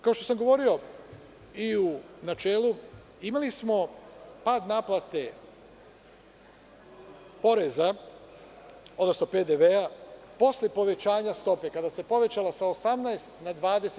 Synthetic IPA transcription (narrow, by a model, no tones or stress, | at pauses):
kao̞ʃt̪o̞samɡo̞ʋo̞ɾio̞ | iunat͡ʃeːlu | imalismo̞paːd̪naːplˠat̪e̞ | po̞ɾe̞za | o̞d̪no̞sno̞ped̪eʋeapo̞slʲe̞po̞ʋe̞t͡ɕaːɲast̪o̞pe̞kad̪ase̞po̞ʋe̞t͡ɕalasaosamnaest̪nad̪ʋaːd̪ese